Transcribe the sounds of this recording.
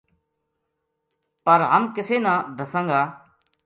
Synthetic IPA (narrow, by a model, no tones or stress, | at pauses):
pəɾɦəmkɪseːnãːd̪ʱəsə̃ːŋɡaː